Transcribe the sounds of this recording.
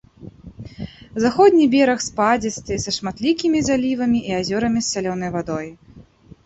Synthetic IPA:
zaxɔd̪ʲnʲibʲɛɾɐxspad͡zʲist̪ɨsɐʂmat̪lʲikʲimʲizalʲivɐmʲiʔiazʲɔɾɐmʲisʲːalʲɔnɐjvad̪ɔj

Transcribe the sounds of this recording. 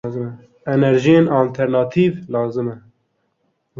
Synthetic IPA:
zɨmɛ | ɛnɛɾʒijenɑːlt̪ʰɛɾnɑːt̪ʰiːvlɑːzɨmɛ

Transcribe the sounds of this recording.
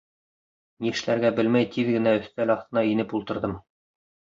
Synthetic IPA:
niɘ̆ʃlæɾɡæbɘlmæjt̪iðɡɘ̆næɵ̆θt̪ælɑχθt̪ɤ̆nɑinɘpulˠt̪ɤ̆ɾðɤm

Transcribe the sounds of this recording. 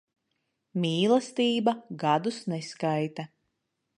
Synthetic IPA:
mʲiːlˠast̪iːbaɡad̪usnɛskajt̪a

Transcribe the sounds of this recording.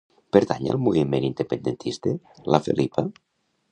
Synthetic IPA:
peɾt̪aɲa̰alˠmuβimenind̪epend̪ent̪ʰist̪e | lafḛlʔipa

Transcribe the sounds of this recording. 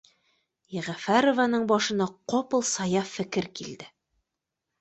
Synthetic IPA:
jæʁæfæɾovanɤɴbɒʃɤ̆nɑqopɤ̆lˠsɑjɑfɘ̆kɘɾkild̪ɘ

